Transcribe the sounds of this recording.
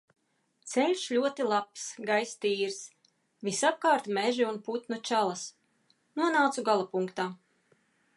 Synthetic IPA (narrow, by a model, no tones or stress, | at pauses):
t̪sɛlʲʃlʲuɔt̪ilˠapsɡajst̪iːɾs | visap̚kaːɾt̪mɛʒiunput̪nut͡ʃalˠas | nuɔnaːt̪suɡalˠapuŋkt̪aː